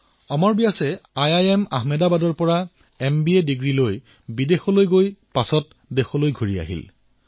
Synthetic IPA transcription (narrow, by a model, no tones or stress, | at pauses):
ɔmɔɹbijasɛajajɛma̰ɦmɛdabadɔɹpɔɹa | ɛmbiediɡɹiloj | bidexɔlojɡojpasɔt̚ | dexɔlojɡʱoɹia̰ɦḭl